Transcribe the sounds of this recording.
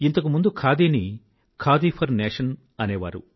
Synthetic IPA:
int̪ɐkumund̪ukʰaːd̪iːni | kʰaːd̪iːpʰɐɾneːʂɐn | ɐneːʋa̰ːɾṵ

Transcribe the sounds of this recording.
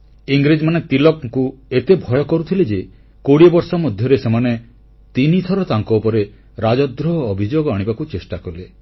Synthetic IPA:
iŋɡɾid͡ʒmanet̪ilɔkŋkuet̪ebʱɔjɔkɔɾut̪ʰiled͡ʒe | koɽiɔbɔɾsɔmɔd̪ʱjɔɾesemane | t̪init̪ʰɔɾɔt̪aŋkɔupɔɾe | ɾad͡ʒɔd̪ɾɔɦɔːbʱid͡ʒoɡɔaɽ̃ibakut͡ʃesʈakɔle

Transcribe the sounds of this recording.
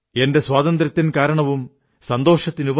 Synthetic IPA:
e̞nde̞sʋwaːðɐnd̪ɾɐt̪ːinkaːɾɐɳɐʋum | sɐnd̪o̞ːʂɐt̪ːinub

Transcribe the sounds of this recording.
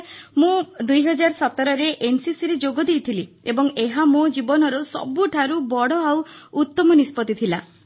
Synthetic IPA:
mũd̪ujɦɔd͡ʒaɾɔsɔt̪ɔɾɔɾeʔensisiɾed͡ʒoɡɔd̪ejt̪ʰili | ebɔŋeɦamod͡ʒibɔnɔɾɔsɔ̰buʈʰaɾubɔɽɔawːt̪ːɔmɔnispɔt̪ːit̪ʰila

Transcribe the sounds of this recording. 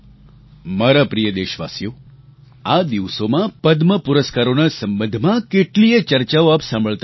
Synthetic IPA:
maɾapɾijəd̪eʃʋa̰sjo | ad̪iʋsomãpəd̪məpuɾəskaɾonasə̃mbə̃nd̪ʱmãkeʈliet͡ʃəɾt͡ʃaoaːpsãmbʱəɭt̪

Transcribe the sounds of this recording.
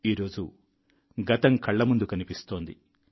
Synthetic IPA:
iːɾo̞ːd͡ʒu | ɡɐt̪ɐŋkʰɐɭːɐmund̪ukɐnipist̪o̞ːnd̪ḭ

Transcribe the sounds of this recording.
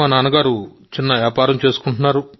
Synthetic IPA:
anaːnɐɡaːɾu | t͡ʃinːɐʋjaːpaːɾɐmt͡ʃe̞ːsu̥kuɳʈunːaːɾu

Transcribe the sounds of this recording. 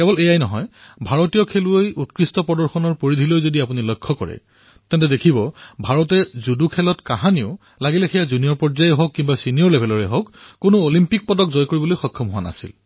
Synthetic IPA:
kɛbɔlejajnɔɦɔ̰jbʱaɹɔtijɔkʰeluojutkɹistɔpɹɔdɔɹxɔnɔɹpoɹidʱilojzodiapunilɔjkʰːɔkɔ̰ɹɛ̰ | tɛntɛdekʰibɔbʱaɹɔtɛzudukʰɛlɔtkaɦaniʊ | laɡilɛxɛjazunijɔɹpɔɹzajɔɦokːimbasinijɔɹlebʱɛlɔɹɛɦokːonʊolimpik̚pɔdɔkzɔjkoɹibɔlojxɔkʰːɔmɦʊwana̰sḭl

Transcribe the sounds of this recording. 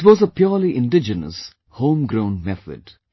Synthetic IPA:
ɪʈwɔzəpjɔːliʔɪ̃nɖɪd͡ʒənə̰s | hõːmɡɾõʊ̃nmɛθə̰ɖ̥

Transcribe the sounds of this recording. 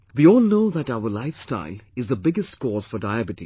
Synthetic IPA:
ʋiɔːlnoʊðæʈaʊəɾlaɪfsta̰ɪlɪzðəbɪɡəstkɔːz̥fɔɾdaɪæbɪʈḭ

